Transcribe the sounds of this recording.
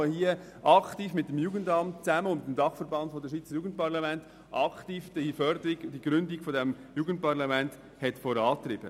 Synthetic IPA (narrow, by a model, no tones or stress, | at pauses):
hiə | ʔɑktiːfmɪt̚dəmjuːɡəndɑmtt͡sæməʊnɪtdmdɑχfəɾbɑnd̥fodəʃʋiːt͡səɾjuːɡən̩t̚pɑʁlɑmɛnt | ʔɑktiːfd̥ifœɾd̪əɾiɡd̥iɡ̥ɾʏndiɡ̥fodɛmjuːɡən̩t̚pɑʁlɑmɛnt | hɛtfoɾɑːt̪rɪb̥ə̰